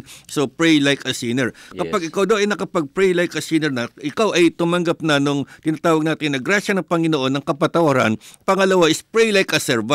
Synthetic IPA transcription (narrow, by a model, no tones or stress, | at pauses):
sopɹɛjlajkɐsinɛɹkɐpaɡʔɪkawd̪ɐwʔɐjnɐkɐpɐɡ̚pɹɛjlajkʔɐsinɛɹnɐʔɪkawʔɐjt̪ʊmɐŋɡap̚nɐnoŋt̪ɪnat̪aːwɐɡ̚naːt̪ɪnːɐɡɾaʃɐnɐpɐŋɪnoʔo̞nːɐŋkɐpɐt̪ɐwɐɾa̰npɐŋɐlɐwaʔɪspɹɛjlajkʔɐsɛɹba